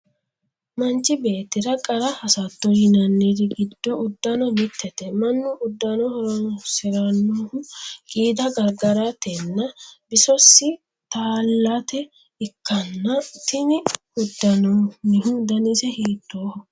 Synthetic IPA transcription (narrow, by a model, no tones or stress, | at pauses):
mɐnt͡ʃːɪbe̞ːt̪ːɪɾɐkʼɐɾɐhɐsɐt̪ːɔjɪnɐnːid̪ɪɡɪd̪ːɔʊd̪ːɐnɔmɪt̪ʰːɛt̪ɛmɐnːʊʔʊd̪ːɐnɔhɔɾɔnɔsɪɾɐnːoːhʊɡʼiːd̪ɐɡɐɾɡɐɾat̪ɛnːɐbɪsɔsːɪ | t̪aːlːat̪ɛ | ɪkːɐnːɐt̪ɪnɪ | ʊd̪ːɐnɔnɪhʊd̪ɐnɪsɛheːt̪ːoːhʊ